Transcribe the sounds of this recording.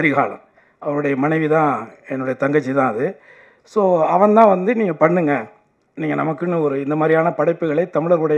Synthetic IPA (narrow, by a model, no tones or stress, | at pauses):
ɐɾɪɣaːɭɐ̰̃m | ɐʋɐɾɯɽɐjɐmɐnɐɪʋit̪ãːɛnːɯɽɐjɐt̪ɐŋɡɐt͡ʃːit̪ãːɐðɯ | soːɐʋɐɳt̪ãːʋɐnd̪ɯniːŋɡɐpɐɳːɯŋɡɐ | niːŋɡɐnɐ̰mɐkːɯnːɯɔɾɯɪnd̪ɐmaːd̪ɾɪjaːnɐpɐɽɐɪpːɯɣɐɭɐɪt̪ɐmɪɭɐɾɣɯɽɐj